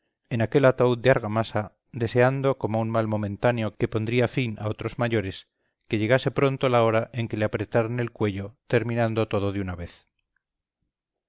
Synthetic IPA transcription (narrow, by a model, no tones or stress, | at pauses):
enake̞lat̪auðd̪eaɾɣamasa | d̪e̞se̞and̪o̞ko̞mounmalmo̞mẽnt̪aneo̞ke̞po̞nd̪ɾiafina̰o̞t̪ɾo̞zmaʝo̞ɾe̞s | ke̞ʎeɣase̞pɾo̞nt̪olao̞ɾaʔe̞ŋke̞leapɾe̞t̪aɾone̞lkwe̞ʎo̞t̪e̞ɾmĩnãnd̪o̞t̪oð̞oðeunaβeθ